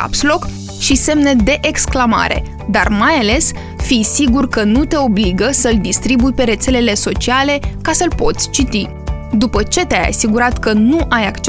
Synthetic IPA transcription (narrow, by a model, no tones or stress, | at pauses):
a̰pslo̞k | ʃise̞mned̪e̞ʔeksklama̰ɾe̞̰ | d̪a̰rmajale̞s | fijsiɡurkənut̪e̞o̞bliɡəsəld̪ist̪ɾibujpe̞ɾe̞t̪se̞le̞le̞so̞t͡ʃiale̞kasəlpo̞t̪sʲt͡ʃit̪i | d̪upət͡ʃe̞t̪eaja̰siɡuɾat̪kənuʔajakt͡ʃ